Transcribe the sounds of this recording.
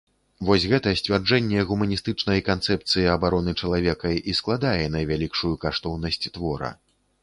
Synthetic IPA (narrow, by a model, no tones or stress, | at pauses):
vɔsʲɣɛt̪ɐsʲt͡sʲvʲard͡ʐɛnʲːɛɣumɐnʲist̪ɨt͡ʂn̪ɐjɐkant̪sɛp̚t̪sɨjiɐbaɾɔnɨt͡ʂɐlˠavʲɛkɐʔisklˠad̪ajɛnɐjvʲalʲikʂujukaʂt̪ɔwnɐsʲt͡sʲt̪vɔɾɐ̰